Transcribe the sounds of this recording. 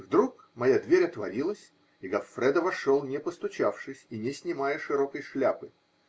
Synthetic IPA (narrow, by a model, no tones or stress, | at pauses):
vd̪ɾuk | mɐjad̪vʲeɾʲɐt̪vɐɾʲilˠəsʲ | iɡɐfːɾɛd̪əvɐʂolˠnʲɪpəst̪ʊt͡ɕafʂɨsʲinʲɪsʲnʲɪmajəʂɨɾo̞kəjʂlʲapɨ